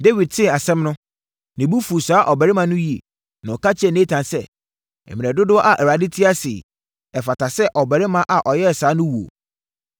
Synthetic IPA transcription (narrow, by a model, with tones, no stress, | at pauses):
de˦wi˨d̚tʰɪ̃˦˨a˨sɛ̃˦mnʊ̃˦ | nɪ̃˨bu˦fu˨saː˨˦ʔɔ˨bɛ˨ɾɪ˦mã˨nʊ̃˦ji˨ḛ˨ | nã˨ɔ˨ka˦t͡ɕʰɪ˦ɛ˨nẽ˦tʰã˨nsɛ˦ | ɛ̰˨mĩ˨ɛ˨dʊ˦dʊ˦ɔ˦ʔa˨ʔɛ˨ɾa˨dɪ˦tʰi˦a˦sɪ̰˨ | ɛ˨fa˨tʰa˨sɛ˦ʔɔ˨bɛ˨ɾɪ˦mã˦ʔa˨ʔɔ˨jɛ˦˨saː˨˦nʊ̃˦wu˨o̰˨